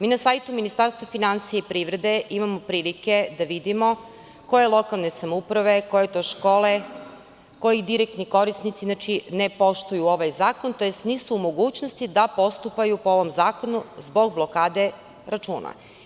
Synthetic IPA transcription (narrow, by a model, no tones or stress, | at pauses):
miːnasajt̪uminist̪aɾst̪ʋafinansijaipɾiːʋɾe̞d̪e̞ʔimamo̞pɾiːlike̞d̪aʋid̪imo̞ | ko̞je̞lˠo̞kalˠne̞samoupɾaʋe̞ko̞jet̪oʃko̞ːle | ko̞jid̪iɾek̚t̪niko̞ɾisnit̪sinat͡ʃinepo̞ʃt̪ojuoʋajzaːko̞nt̪o̞jest̪nisuːmo̞ɡuːt͡ɕnost̪id̪apo̞st̪upajupoo̞ʋo̞mzaːko̞nuzbo̞ɡ̚blo̞kaːd̪e̞ | ɾat͡ʃuːna̰